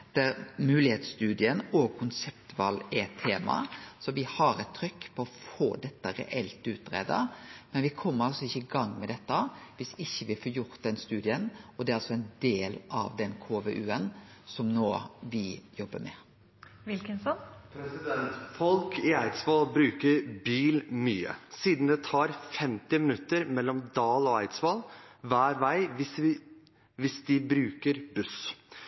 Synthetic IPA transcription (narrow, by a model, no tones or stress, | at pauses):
d̪̥æɾmʉːlɪheːt̪st̪ʉːd̪ɪənɔɡ̚kʰʊnsɛpt̪ʋɑlːɛɛt̪ʰːeːmɑ̰sɔʋɪhɑɾɛt̪ʰːɾʏkːpʰɔɔfoːd̪ɛt̪ːəɾɛ̰ʔɛlt̪ʉːt̪̚bɾḛːd̪ə̰mɛnʋɪkʰɔmːəɾɑlsɔɪçːəɪɡɑŋːmɛd̪ɛt̪ːəʋɪsɪçːəʋɪfoːjʊɾt̪̚d̪ɛnst̪ʉːd̪ɪənɔd̪ɛæɾɑlsɔɛɪnd̪eːlɑ̰ʋd̪ɛnkʰoːʋeʔʉːənsɔmnoːʋɪjɔbːəmɛ̰ | ʋɪlkənsɔnpʰɾɛsɪd̪ɛnt̪fɔlkʰɪæɪt̪sʋɑːlbɾʉːkəɾbiːlmyːə̰siːd̪n̩d̪ɛt̪ʰɑːɾfɛmt̪ɪmɪnʉt̪ːəɾmɛlːɔmd̪ɑːlɔæɪt̪sʋɑːlʋæːɾʋæɪʋɪ | ʋɪsd̪ɪbɾʉːkəɾbʉs